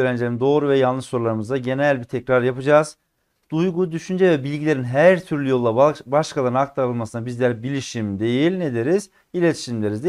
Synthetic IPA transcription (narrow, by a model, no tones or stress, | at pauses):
ɾænd͡ʒlʲeɾimd̪o̞ːɾuvɛjalˠnɯʃso̞ɾulˠaɾɯmɯzd̪aɟe̞nælʲbit̪ʰɛcɾaɾjapʰɯd͡ʒaːz̥ | d̪̥ujɡud̪yʃynd͡ʒɛvɛbilʲɟilʲe̞ɾinɦæɾt̪ʰyɾlʲyjo̞lˠːabaʃkʰalˠaɾɯnhak̚t̪ʰaɾɾɯlˠmasɯnabizlʲæɾbilʲiʃimd̪e̞jilʲned̪eɾiz | ilʲet̪ʰi̥ʃimlʲeɾizd̪e